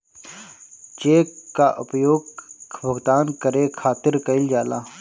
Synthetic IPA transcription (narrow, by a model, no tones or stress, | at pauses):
t͡ʃeːkːaːʔʊpjoːɡbʱəɡd̪aːnkəɾeːkʰaːt̪ɪɾkəɪld͡ʒaːlaː